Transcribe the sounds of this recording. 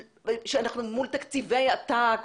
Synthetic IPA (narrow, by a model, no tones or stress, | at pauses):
ʃeanaχnumult̪akt͡sivejat̪a